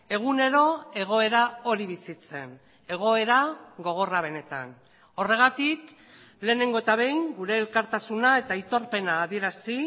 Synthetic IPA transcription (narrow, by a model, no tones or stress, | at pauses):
e̞ɣ̞une̞ɾo̞e̞ɣ̞o̞e̞ɾao̞ɾiβ̞isit͡se̞̰n | e̞ɣ̞o̞e̞ɾaɣo̞ɣ̞o̞raβ̞e̞ne̞t̪a̰n | o̞re̞ɣ̞at̪ik | le̞ːne̞ŋɡo̞et̪aβe̞jŋɡuɾe̞ːlkaɾt̪asunae̞t̪ait̪o̞ɾpe̞naːðie̞ɾasi